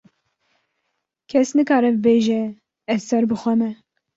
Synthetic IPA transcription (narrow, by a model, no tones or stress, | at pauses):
kʰɛsnɨkɑːɾɛbɨbeːʒɛ | ɛsɛɾbɨxʷɛmɛ